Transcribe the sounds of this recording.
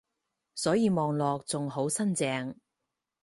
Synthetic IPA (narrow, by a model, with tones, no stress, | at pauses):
sɔː˨˥jiː˨˧mɔː˨˧ŋlɔː˨k̚t͡sʊ˨ŋɦo˨˥wsɐ˥nt͡sɛː˧ŋ